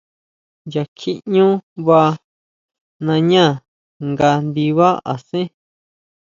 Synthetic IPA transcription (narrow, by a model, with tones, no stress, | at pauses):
ja˨kʰi˦ʔɲũ˦βa˧ | nã˧ɲã˦˨ | ŋɡa˧nd̪i˧βa˦a̰˨sẽ˦